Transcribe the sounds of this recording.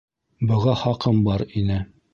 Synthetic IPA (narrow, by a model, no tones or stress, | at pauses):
bŏʁɑχɑqɤmbɒɾinɘ